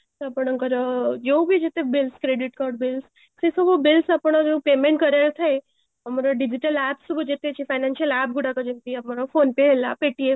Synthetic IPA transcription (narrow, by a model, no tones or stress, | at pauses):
t̪apəɳ̃kəɾd͡ʒewbʱid͡ʒet̪ebɪlskɾeɖiʈkaɾɖbɪls | sesubʱobɪlsapəɽ̃d͡ʒẽpemẽɳʈkəɾelt̪ʰae | əmaɾaɖid͡ʒiʈəlæpsubʱd͡ʒet̪et͡ʃʰefajnanʃəlæp̚ɡuɽakəd͡ʒent̪iəmaɾofonpeɦela̰peʈief